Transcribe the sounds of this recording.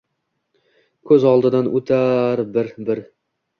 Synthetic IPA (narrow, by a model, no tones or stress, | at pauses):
kʰɵzɒlˠd̪ɨd̪anʔɵt̪ʰaɾbɪɾbɪɾ